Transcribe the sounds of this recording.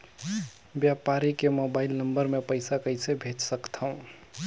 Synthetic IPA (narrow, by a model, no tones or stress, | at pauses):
bjapaɾikemobaɪlnəmbəɾmepəɪsakəɪsebʱet͡ʃsəkt̪ʰaũ